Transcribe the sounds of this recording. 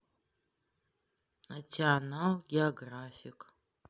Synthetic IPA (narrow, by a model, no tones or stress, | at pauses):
atʰianalɡʲioɡraːfik